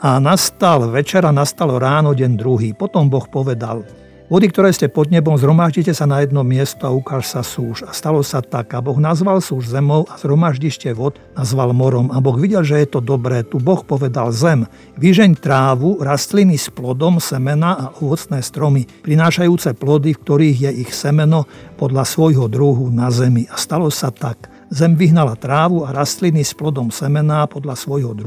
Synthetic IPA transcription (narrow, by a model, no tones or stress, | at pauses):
anast̪alʋɛt͡ʃɛɾanast̪alɔɾaːnɔɟɛnd̪ɾuɦiːpɔt̪ɔmbɔxpɔʋɛd̪a̰l | ʋɔd̪ikt̪ɔɾɛːscɛpɔd̪ɲɛbɔmzɦɾɔmaʒɟicɛsanajɛd̪nɔmɪɛst̪ɔaukaːʃsasuːʃast̪alɔsat̪aɡabɔɣnazʋalsuːʒzɛmɔʊaz̥ɦɾɔmaʒɟiʃcɛʋɔd̪nazʋalmɔɾɔmabɔɣʋiɟɛlʒɛjɛt̪ɔd̪ɔbɾɛːt̪ubɔxpɔʋɛd̪alzɛm | ʋiʒɛɲt̪ɾaːʋuɾast̪linisplɔd̪ɔmsɛmɛnaːʔɔʋɔt͡snɛːst̪ɾɔmipɾinaːʃajuːt͡sɛplɔd̪ifk̚t̪ɔɾiːɣjɛʔixsɛmɛnɔpɔd̪ʎasʋɔjɦɔd̪ɾuɦunazɛmiʔast̪alɔsat̪ak | zɛmʋiɦnalat̪ɾaːʋuaɾast̪linisplɔd̪ɔmsɛmɛnaːpɔd̪lasʋɔjɦɔd̪ɾu